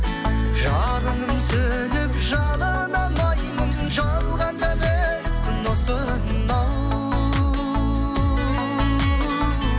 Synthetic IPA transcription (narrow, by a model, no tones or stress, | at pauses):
ʒɑɾəɴəmsɵnepʒɑnɑnɑmɑjmənʒɑlˠʁɑnæʁesq̪ʰʊnosə | nɑw